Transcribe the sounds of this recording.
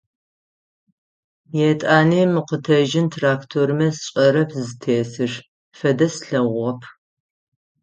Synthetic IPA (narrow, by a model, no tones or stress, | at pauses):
jɛtʼaːneːmɨqətʰɐʒɪntʰraːktʰoɾɨmɐsɕʼɐɾɐpʰzɨtʰeːsɨʂ | fɐdɐsɬɐʁʷɔpʰ